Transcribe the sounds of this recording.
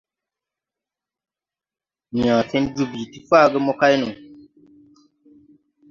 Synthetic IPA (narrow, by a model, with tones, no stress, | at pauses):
nĩ˨ãː˨sɛ̃˦du˦bi˨ti˦fa˦˨ɡə˦mɔ˦ka˦jnũ˨